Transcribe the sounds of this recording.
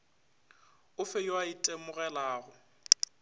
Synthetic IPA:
ʊfɛjwaitʼemʊɣɛlaːɣʊ

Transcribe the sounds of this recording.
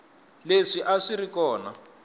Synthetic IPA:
leʂiʔaʂiɾikɔːna

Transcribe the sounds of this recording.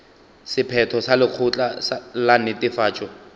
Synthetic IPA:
sɪpʰɛtʰɔsalɪq͡χʰʊt͡ɬʼaslanɪtʼɪfaːt͡ʃʼɔ

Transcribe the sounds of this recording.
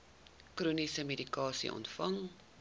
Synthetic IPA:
kruːnisəmedikɑːsḭʔɔ̰ntfɐŋ

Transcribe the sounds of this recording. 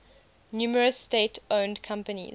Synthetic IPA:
njuːməɹəsːteɪtʰõʊ̃ndkʰãmpənḭ

